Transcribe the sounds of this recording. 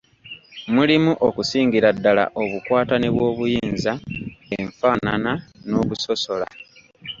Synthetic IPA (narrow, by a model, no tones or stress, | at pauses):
mulimuʔokusiːŋɡiɾadːala̰ʔo̞βukwaːtaneβwo̞ːβujiːnzaeɱfaːnanano̞ːβuso̞so̞la̰